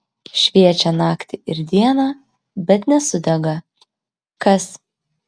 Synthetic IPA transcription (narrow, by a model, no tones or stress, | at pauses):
ʃʲʋʲiɛt͡ʃʲɛnɑːkt̪ʲɪɪɾd̪ʲiɛnɑ | bʲɛt̪nʲɛsʊd̪ʲɛɡɐ | kɐs